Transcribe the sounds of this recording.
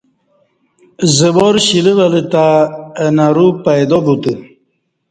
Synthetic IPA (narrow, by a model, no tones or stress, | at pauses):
zəboɾɕiliβɐlit̪anaɾupajd̪obut̪i